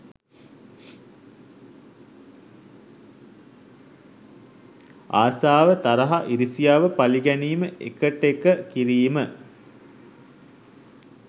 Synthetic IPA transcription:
aːsaːʋət̪aɾɐɦaʔiɾisijaːʋəpaliɡæniːməʔḛkəʈekəkiɾiːmə

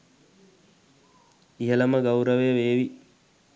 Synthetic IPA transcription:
iɦɐlɐməɡɐwuɾəʋeʋeːʋi

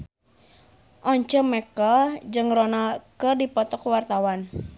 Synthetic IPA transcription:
ʔɔɲt͡ʃəmɛkad͡ʒɨŋrɔnalkədipɔt̪ɔkwart̪awan

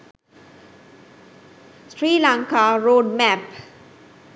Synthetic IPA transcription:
sɾiːlãŋkaɾoːɖmæp

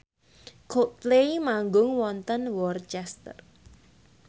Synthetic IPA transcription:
kʰok̚t̪lejmaŋɡʊŋwɔnt̪ənwɔrt͡ʃɛst̪ər

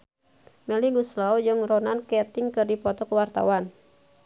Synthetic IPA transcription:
mɛliɡuslaud͡ʒɨŋrɔnankɛt̪iŋkɨrdipɔt̪ɔkuwart̪a̰wan

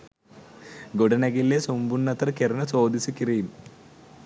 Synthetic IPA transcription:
ɡuɽɐnɐɣillesumbunːɐt̪ːɐrkerɐnɐt͡soːd̪isɨkːirɐjum

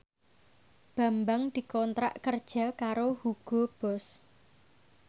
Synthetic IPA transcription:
b̥a̤mbaŋd̪̥i̤kɔnt̪ɾa̰ʔkərd̥ʒ̥a̤kaɾohuɡ̥ɔ̤b̥ɔ̤s

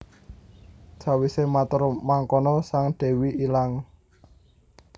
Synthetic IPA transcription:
d̥ʒ̥a̤wisemat̪ərmaŋkɔnɔsaŋɖ̥ɛ̤wiʔilaŋ

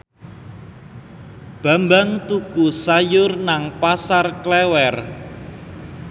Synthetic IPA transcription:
b̥a̤mbaŋt̪ukusajʊrnaŋpasarklɛwɛr

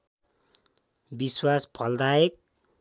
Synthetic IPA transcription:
biswaspʰʌld̪aek̚

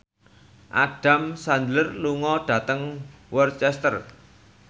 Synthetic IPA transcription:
ʔa̰ɖ̥a̤msand͡ʒlərluŋɔɖ̥ä̤t̪əŋ | wərt͡ʃɛst̪ər

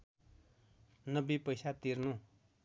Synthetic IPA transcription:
nʌbipʌjsat̪iɾnũ

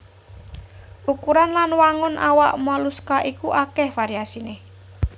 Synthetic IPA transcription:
ʔukuɾanlanwaŋʊnʔa̰waʔmɔluskaʔikuʔakɛhfaɾiasineh

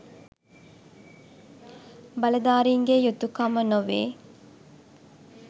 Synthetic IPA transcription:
bɐlɐd̪aːɾiːŋɡejut̪ːukɐmənoʋḛː

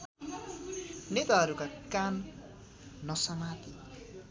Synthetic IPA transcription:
net̪aɦʌɾukakanː | ʌsʌmat̪i

